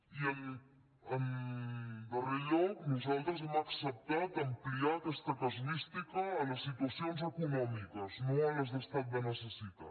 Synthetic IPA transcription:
iən | əm | bəriʎownuzalˠt̪ɾəzemaksəp̚t̪at̪əmpliat̪əst̪əkəzlist̪ikəːləsːit̪uəsionzəkunɔmikəznoeləzðəst̪at̪̚bənəsəsit̪a̰

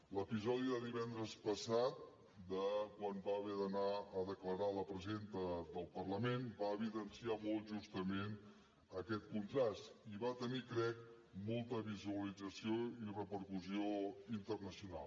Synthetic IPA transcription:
ləpizɔðiðəðiβɛnd̪ɾəspəsat̪̚ | d̪əkwanbaβɛðənaəðəkləɾaləpɾəzent̪əðəlˠpərləmenbaːβiðənsiamolˠʒust̪əmen | əkɛt̪kunt̪ɾast̪iβat̪ənikɾɛk̚ | molˠt̪əβizuəlid͡zəsioirəpəɾkuzioint̪ərnəsiuna̰lˠ

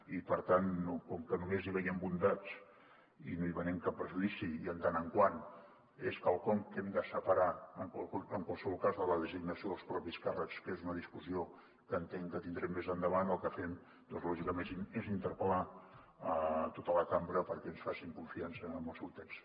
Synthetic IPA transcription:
ipəɾt̪anːukɔmkənumeziβɛjɛmbund̪at͡s | ḭnoiβənɛmkap̚ːɾəʒuðisiiənt̪anəŋkwan | eskəlˠkɔŋkɛmd̪əsəpəɾaəŋaəŋkwalˠsəβɔlˠkazðələðəziɡ̚nəsioðəlˠspɾɔpiskarəkskezunəðiskuzio | kəːnt̪ɛŋkət̪ind̪ɾɛmːezənd̪əβanəlˠkəfɛm | d̪̥ɔnzlɔʒikəmennezint̪əɾpəla | ət̪ot̪ələkambɾəpəɾkɛənsfasiŋkuɱfiansəːməlˠsewt̪ɛks

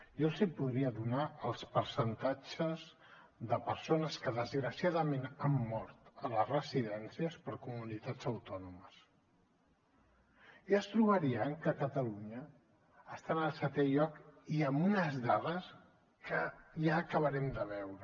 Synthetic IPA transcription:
ʒɔlzipuðɾiəðunaəlˠspəɾsənt̪ad͡ʒəz | ðəpəɾsonəskəðəzɣɾəsiaðəmenamːɔɾt̪ələzrəziðɛnsiəspəɾkumunit̪ḁd͡zəwt̪ɔnuməs | iəst̪ɾuβəɾiəŋkəkət̪əluɲəː | st̪anəlˠsət̪ɛʎɔkiəmbunəzðaðəs | kəʒaːkəβəɾɛmd̪əβɛwɾə

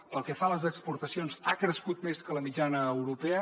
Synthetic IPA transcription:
pəlˠkɛfaləzəkspuɾt̪əsionzakɾəskut̪meskələmid͡ʒanəːwɾupeə

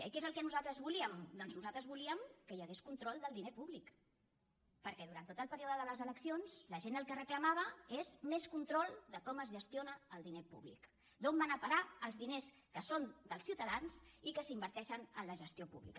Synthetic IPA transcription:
ə̰kezəlˠkɛnuzalˠt̪ɾəzβuliəmd̪ɔnznuzalt̪ɾəzβuliəmkəjəɣeskunt̪ɾɔlˠd̪əlˠd̪inepuβlik | pəɾkɛðuɾant̪ot̪əlˠpəɾioðəðələzələksionz̥ləʒend̪əlˠkərəkləmaβ̞əezmeskunt̪ɾɔlˠd̪əkɔməzʒəst̪ijonəːlˠd̪inepṵβlḭk | d̪ombanəpəɾaəlˠzðines | kəsond̪əlˠsiwt̪əðanzikəsimbəɾt̪ɛʃənənləʒəst̪iopṵβlḭkə

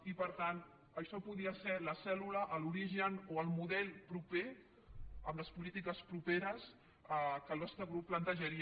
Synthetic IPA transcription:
ipəɾt̪an | əʃɔpuðiəsɛləsɛluləʔːluɾiʒənoəlˠmuðɛlˠpɾupe | ə̰mləspulit̪ikəspɾupeɾəs | əkəlˠβast̪əɣɾuppːlənt̪əʒəɾi

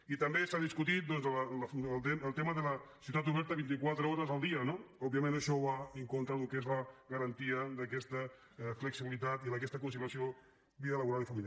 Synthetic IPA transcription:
it̪əmbesaðiskut̪it̪̚d̪ɔnzəllflt̪eməlˠt̪eməðələsiut̪at̪uβ̞ɛɾt̪əβint̪̬ikwat̪ɾəɔɾəzəlˠd̪iənoɔbiəmẽnəʃɔβaəŋkont̪ɾəlukezləɣəɾɐnt̪iəd̪əkɛst̪ə | fləksiβilit̪at̪iləkɛst̪əkunsiɾasio | βiðələβuɾalifəmilja

